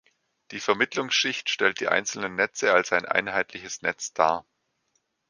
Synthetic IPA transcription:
d̥iːfɛɐmɪtlʊŋsʃɪçtʃtɛlt̚d̥iːʔa̰ɪnt͡sl̩nənːɛt͡səalsaɪnʔa̰ɪnɦaɪtʰlɪçəsnɛt͡sd̥aːɐ

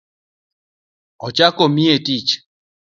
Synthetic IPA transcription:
ɔt͡ʃakomietit͡ʃ

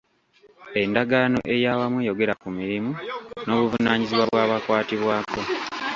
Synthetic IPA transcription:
e̞ndaɡaːno̞̰ʔe̞jaːwamweːjo̞ɡe̞ɾakumiɾimuno̞ːβuvunaːɲiziβwaβwaːβakwaːtiβwaːko̞

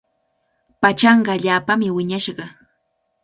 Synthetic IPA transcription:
pat͡ʃɑɴɢɑaʎaːpamɪwɪɲaʃɢɑ

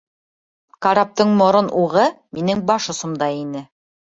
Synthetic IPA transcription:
kɑɾap̚t̪ɤɴmŏɾonʔuʁɤminɘŋbɑʃŏsŏmd̪ɑinɘ

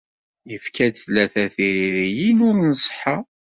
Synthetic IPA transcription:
jəfkæd̪θlːæθæθiɾiɾijinʊɾnəsˤə̥ħa

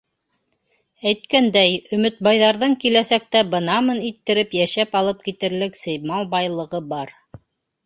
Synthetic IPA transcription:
æjt̪kænd̪æjɵ̆mɵ̆t̪̚bɑjðɑɾðɤŋkilæsæk̚t̪æbɤ̆nɑmɤnit̪ːɘ̆ɾɘpjæʃæpɑlˠɤp̚kit̪ɘ̆ɾlɘksɘ̆jmɑlˠbɑjlˠɤ̆ʁɤbɑɾ

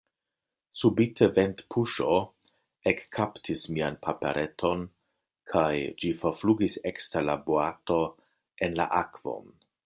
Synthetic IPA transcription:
subitʰeventpʰuʃo | ekːʰaptʰismianpʰapḛɾʔetʰo̞n | kʰajd͡ʒifoɾfluɡisekstalaboato̞ | enla̰ʔakv̥o̞̰n

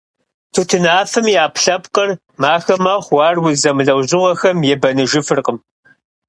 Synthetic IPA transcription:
tʰutʰɨnaːfɨmiaːpɬɐpqər | maːxɐmɐχʷwʷɑːrwʊzɐmɨɮɐwʑɪʁɐxɐmjɛbɐnɨʒɪfɨrqəm

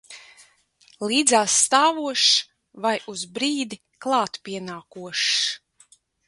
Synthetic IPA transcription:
liːd̪zaːsːt̪aːvuɔʃ | vajuzbɾiːd̪i | klˠɑːt̪pʲiɛnaːkuɔʃ

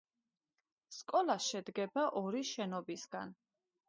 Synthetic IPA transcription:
skʼɔlˠaʃɛd̪ɡɛbaʔɔɾiʃɛnɔbisɡa̰n

